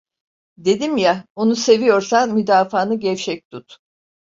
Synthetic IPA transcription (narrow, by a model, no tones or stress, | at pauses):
d̪e̞d̪imjao̞nuse̞vijo̞ɾsanmyd̪aːfaːnɯɟɛft͡ʃɛc̚t̪ʰut̪